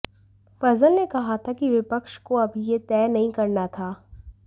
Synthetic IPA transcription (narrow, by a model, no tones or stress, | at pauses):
fɐzəlnekɐɦat̪ʰakiʋɪpəkʃkoɐbʱijet̪ɛːnɐɦĩkɐɾnat̪ʰaː